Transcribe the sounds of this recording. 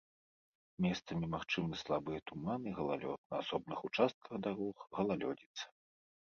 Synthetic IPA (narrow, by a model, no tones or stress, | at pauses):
mʲɛst̪sɐmʲimaxt͡ʂɨmɨslˠabɨjɐt̪umanɨɣɐlˠa̰lʲɔ̰t̪̚nɐasɔbnɨxut͡ʂast̪̚kʰɐɣd̪aɾɔxɣɐlˠalʲɔ̰d͡zʲit̪sːɐ̥